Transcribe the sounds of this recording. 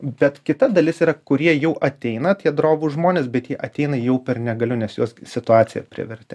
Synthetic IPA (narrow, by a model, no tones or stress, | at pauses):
bʲɛt̪kʲɪt̪ɐd̪ɐlʲɪsiːɾɐkʊɾʲiɛjɛʊʔɐt̪ʲɛɪnɐt̪ʲjiɛd̪ɾoːbʊːʒmoːnʲeːsbʲɛt̪jiɛʔɐt̪ʲɛɪnɐjɛʊpʲɛrnʲɛɡɐlʲʊnʲɛsjoɔssʲɪt̪ʊɑːt͡s̪ʲɪjɛpʲɾʲɪ̰ʋʲɛɾʲt̪ʲɪ